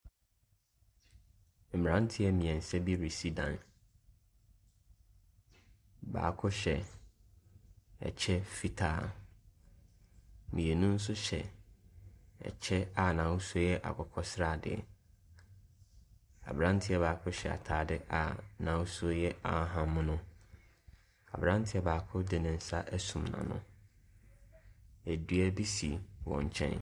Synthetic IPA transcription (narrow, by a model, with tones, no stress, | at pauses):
m̩˨m˨ɾã˦n˦tʰɪ˦ɛ˦mĩ˨ɛ̃˨n̩˨sɛ˦bi˦ɾi˨si˦dã̰˨n | ba̰ː˨kʰʊ˦ɕɛ˨ | ɛ̰˨t͡ɕʰɛ˦fi˨tʰaː˦˨ | mĩ˨e˨nũ˦n̩˦s̬ʊ˦ɕɛ˨ | ɛ̰˨t͡ɕʰɛ˦a˨nã˨wʊ˦su˦o˦jɛ˦ʔa̰˨kʰɔ˨kʰɔ˨sɪ˦ɾa˦˨dɪ̰˨ɛ̰˨ | a̰˨bɾã˦n˦tʰɪ˦ɛ˦baː˨kʰʊ˦ɕɛ˨a̰˨tʰaː˨˦dɪ˦ʔa̰˨nã˨wʊ˦su˦o˦jɛ˦a̰˨˦ɦã˨mʊ̃˦nʊ̃˦ | a̰˨bɾã˦n˦tʰɪ˦ɛ˦baː˨kʰʊ˦dɪ˨nɪ̃˨n̩˨sa˦ʔæ˦sũ˨mnã̰˨nʊ̰̃˦ | æ˨dɥæ˦bi˦si˨wɔ̰̃˨ɲ˨t͡ɕʰɛ̰̃˦n